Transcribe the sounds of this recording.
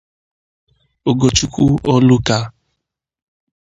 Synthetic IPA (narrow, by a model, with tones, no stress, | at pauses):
o˨ɡo˨t͡ʃu˦kʷu˦ɔ˦lu˦ka˦